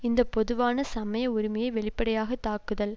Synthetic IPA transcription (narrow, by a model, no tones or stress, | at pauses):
ɪnd̪ɐpːɔðɯʋaːnɐsɐmɐjɐʊɾɪmɐjɐɪʋɛɭɪpːɐɽɐjaːɣɐt̪ːaːkɯðɐl